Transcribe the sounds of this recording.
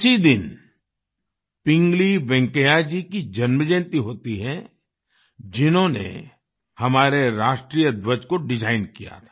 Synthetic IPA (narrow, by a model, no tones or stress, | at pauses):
sid̪ɪn | pɪ̃ŋɡliʋɛ̃ŋkəjad͡ʒikid͡ʒɐnməd͡ʒɛ̃ːnt̪iɦoːt̪iɦɛ̃ | d͡ʒɪnɦõnḛ | hɐmaːɾeɾaːʃʈɾiːjəd̪ʋəd͡ʒkoɖɪd͡ʒaːɪnkija̰t̪ʰḁː